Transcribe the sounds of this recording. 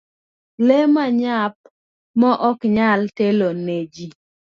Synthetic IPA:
lemaɲap̚ | mɔʔɔkɲalteloned͡ʒi

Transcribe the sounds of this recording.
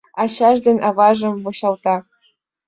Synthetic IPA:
ɑɕɑʒd̪enʲʔɑvɑʒɤ̆mvoɕɑlt̪ɑ

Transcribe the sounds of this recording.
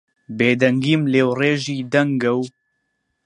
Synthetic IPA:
beːd̪ɛŋɡiːmleːwreːʒiːd̪ɐŋɡɐw

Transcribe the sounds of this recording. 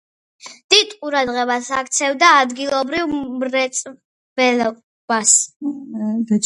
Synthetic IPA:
d̪̥id̪̥qʼuɾad̪ʁɛbasakt̪sʰɛvd̪aːd̪ɡilˠɔbɾivmɾɛt̪sʼ | b̥ɛlɔ | b̥as

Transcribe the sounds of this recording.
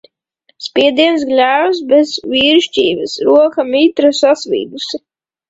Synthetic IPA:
spʲiɛd̪iɛns̬ɡlʲæːwsbɛzvʲiːɾʃt͡ʃʲiːvɨsɾuɔkɐmiːt̪ɾɐsasvḭːd̪us

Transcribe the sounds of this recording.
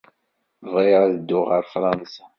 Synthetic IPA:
vʁɪɾˤaðəd̪ːʊʁəɾfɾˤɑnsḁ

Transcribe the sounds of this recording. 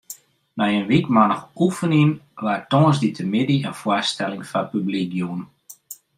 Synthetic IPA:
mɛjənʋikmanəxufəninʋartɔ̃ŋsditʰəmɪdiənfwastɛlɪŋfapyblik̚juən

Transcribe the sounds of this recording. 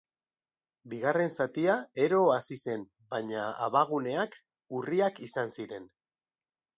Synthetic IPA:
biɣ̞are̞nsat̪iae̞ɾo̞asise̞n | baɲaa̰βaɣ̞une̞ak | uriakisansiɾe̞n

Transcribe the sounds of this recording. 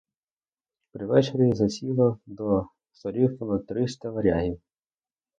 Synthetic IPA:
pɾɪʋɛt͡ʃeɾʲizɐsʲilˠɔd̪ɔ | sɔɾʲifɔnɔt̪ɾɪst̪ɐʋɐɾʲaɦʲiw

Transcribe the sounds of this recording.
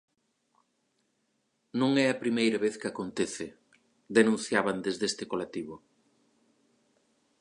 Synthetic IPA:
nõŋɛɐpɾimejɾɐβeθkɪakont̪eθɪ | d̪enũnθjaβand̪ezðest̪ɪkolat̪iβ̞ʊ

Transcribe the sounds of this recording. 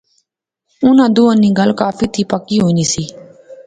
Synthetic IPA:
ʊnãːd̪ʊːãːniːɡəlkaːpʰiːt̪ʰiːpəkːiːɦoːniːsiː

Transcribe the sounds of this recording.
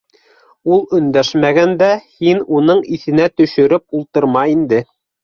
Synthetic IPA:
ulˠɵ̆nd̪æʃmæɡænd̪æhinunɤɴiθɘ̆næt̪ɵ̆ʃɵ̆ɾɘp̚ulˠt̪ɤ̆ɾmɑind̪ɘ

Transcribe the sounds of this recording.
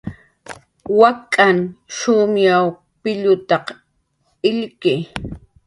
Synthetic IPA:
wakʼanʃʊmjaw | pɪʎʊt̪ɑq | ɪʎkɪ

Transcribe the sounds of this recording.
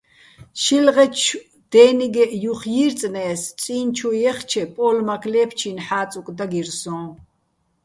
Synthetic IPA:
ʃilʁɛt͡ʃ | d̪̥ɛːniɡɛʔjuχjiɾt͡sʼnɛːst͡sʼiːnt͡ʃʰujɛχt͡ʃʰɛpʼɔlmakʰlɛːpʰt͡ʃʰinħaːt͡sʼukʼd̪aɡirsɔ̃ː

